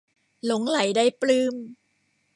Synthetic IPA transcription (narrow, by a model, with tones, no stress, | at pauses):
lo˩˦ŋla˨˩˦jdaː˥˩jplɯː˧m